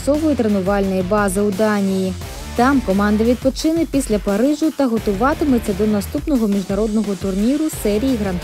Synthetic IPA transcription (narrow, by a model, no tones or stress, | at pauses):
sɔvɔjut̪ɾɛnʊvalʲnɔjɐbazɨwd̪anʲiji | t̪amkɔmand̪ɐvʲid̪̚pɐt͡ʂɨnɨpʲisʲlʲɐpaɾɨʐut̪ɐɣɔt̪ʊvat̪ɪmɐt͡sʲːɐd̪ɔnast̪upnɔɣɔmʲiʐnaɾɔd̪nɔɣɔt̪ʊrnʲiɾusɛɾʲiɣɾɐn